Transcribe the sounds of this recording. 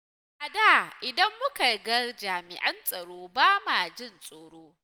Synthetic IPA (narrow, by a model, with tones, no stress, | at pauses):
ʔa˨da˦˨ʔɪ˨dɐ˦mːʊ˦ka˨ɡɐ˦rd͡ʒaː˨mɪ̰˨ʔɐ˦nsʼɐ˨ɽoː˦baː˦ma˨d͡ʒɪ˦nsʼoː˨ɽoː˦